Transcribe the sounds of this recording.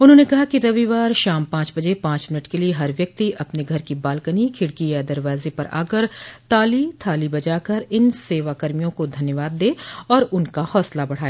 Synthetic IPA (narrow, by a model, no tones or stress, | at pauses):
ʊnɦõːnekɐɦakiɾɐʋiʋaːɾʃaːmpãːt͡ʃbɐd͡ʒepãːt͡ʃmɪnəʈkelieɦɐɾʋjɐk̚t̪iʔɐpneɡʱɐɾkibaːlkənikʰɪɽkijad̪ɐɾʋaːzepɐɾʔa̰ːkəɾt̪aːlit̪ʰaːlibɐd͡ʒaːkɐɾɪnseːʋakɐɾmijõkod̪ʱɐnjəʋaːd̪ːeːɔːɾʊnkahɔːslabɐɽ̤aːeː